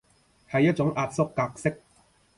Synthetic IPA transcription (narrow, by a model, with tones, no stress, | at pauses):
hɐ˨jːɐ˥t̚t͡ʃʊ˨˥ŋʔaː˧t̚sʊ˥kːaː˧k̚sɪ˥k̚